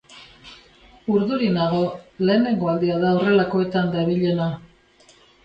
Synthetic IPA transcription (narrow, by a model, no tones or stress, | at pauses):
uɾðuɾinaɣo̞le̞ːne̞ŋɡo̞ald̪iaðaore̞lako̞e̞t̪and̪aβiʎe̞na